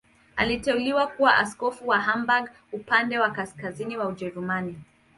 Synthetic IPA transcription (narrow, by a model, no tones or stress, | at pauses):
alitɛuliwakuwaʔaskɔfuwaɦambaɡ | upandɛwakaskaziniwaud͡ʒɛɾumani